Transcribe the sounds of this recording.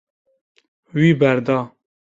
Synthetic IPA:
wiːbæɾd̪ɑː

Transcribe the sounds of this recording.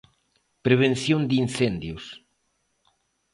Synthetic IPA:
pɾeβ̞ẽnθjõnd̪in̟θend̪jʊs

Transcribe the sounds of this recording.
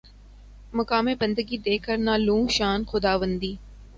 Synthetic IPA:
mɐkaːmẽbɐ̃nd̪əɡid̪eːkʰəɾnalũːʃaːnxʊd̪aːʋənd̪iː

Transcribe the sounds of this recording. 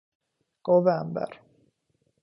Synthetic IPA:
ɡ̥ovɛmbə̰ɾ

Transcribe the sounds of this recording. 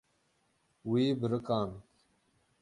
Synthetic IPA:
wiːbɾəkaːn

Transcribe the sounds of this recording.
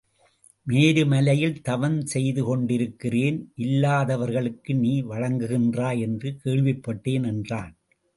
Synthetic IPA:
meːɾɯmɐlɐjɪlt̪ɐʋɐnsɛjðɯkɔɳɖɪɾɯkːɪreːnʔɪlːaːðɐʋɐɾɣɐɭɯkːɯniːʋɐɻɐŋɡɯɣɪndraːjɛndrɯkʰeːɭʋɪpːɐʈːeːnɛndraːn

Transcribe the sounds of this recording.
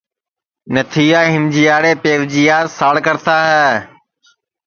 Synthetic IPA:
nət̪ʰiːaːɦɪmd͡ʑijaːɽeːpeːʋd͡ʑiːjaːɾsaːɽkəɾt̪ʰaːɦɛː

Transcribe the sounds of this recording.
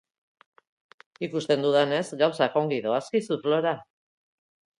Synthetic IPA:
ikust̪e̞nd̪uðane̞sɡawsako̞ŋɡiðo̞askisuflo̞ɾa

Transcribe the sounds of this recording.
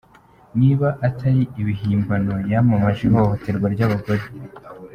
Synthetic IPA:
niːβaʔatʰaɾiiβiɦiːmbano̞jamumaʒiɦohote̞ɾɡwaɾɟaβaɡo̞ɾe̞

